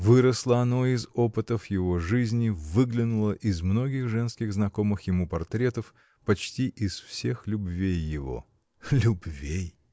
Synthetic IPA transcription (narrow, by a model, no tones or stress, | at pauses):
vɨɾəslˠəɐno̞ɪzopɨt̪əfjɪvoʐɨzʲnʲɪvɨɡlʲɪnʊlˠəʔɪzmno̞ɡʲɪxʐɛnskʲɪɣznɐko̞mɨxjɪmupɐrt̪ɾʲe̞t̪əf | pɐt͡ɕtʲiʔɪsfsʲe̞xlʲʊbvʲejːɪvo̞̰ | lʲʊbvʲej